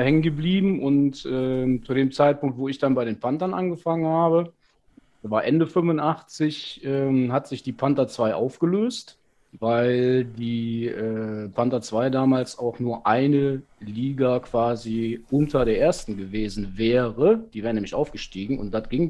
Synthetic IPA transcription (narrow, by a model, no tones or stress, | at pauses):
hɛŋənɡəbliːbm̩ʔʊntʔɛːt͡sudeːmt͡saɪt̚pʊŋk̚tv̥oːɪçd̥anbaɪɾeːnpʰantɐnʔa̰nɡəfaŋənhaːbə | vaːɐʔɛndəfʏmvʊnʔaχt͡sɪçʔɛːmhatz̥ɪçd̥iːpʰantɐt͡sv̥aɪʔa̰ʊfɡ̥əløːst | vaɪldiːʔɛːpʰantat͡sv̥aɪdaːmaːlsaʊxnuːɐʔaɪnə | liːɡakv̥aːziʔʊntʰɐdeːɐʔeːɐstn̩ɡəveːzn̩vɛːʁəd̥iːvɛːʁənɛːmlɪçʔaʊfɡ̥əʃtiːɡŋ̩ʊ̰nt̚d̥atɡ̥ɪŋ